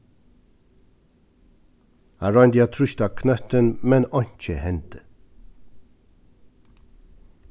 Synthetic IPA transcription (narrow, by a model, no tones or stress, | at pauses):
æɹɑɪnd̪iɑːt̪ʰɾʉçt̪ɑːkʰnœt̪ənmɛnɔɲc͡çəhɛnt̪ə